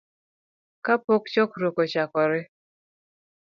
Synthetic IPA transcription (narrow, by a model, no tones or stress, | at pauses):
kapokt͡ʃɔkɾokɔt͡ʃakɔɾɪ